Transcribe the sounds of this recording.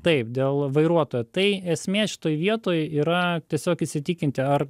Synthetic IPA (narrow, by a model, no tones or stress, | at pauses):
t̪ɐɪpd̪ʲeːlˠʋɐɪɾuɔt̪oːjot̪ɐɪɛsʲmʲeːʃʲɪ̥t̪oːjʋʲiɛt̪oːjiːɾɐt̪ʲiɛsʲoːkɪsʲɪt̪ʲikʲɪnʲt̪ʲɪɐr